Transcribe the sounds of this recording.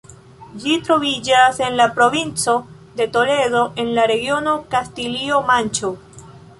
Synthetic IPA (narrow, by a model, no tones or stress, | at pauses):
d͡ʒitɾo̞vid͡ʒase̞nlapɾo̞vint͡so̞ | de̞to̞le̞ðo̞ʔe̞nlaɾe̞ɡio̞no̞kastilio̞mant͡ʃo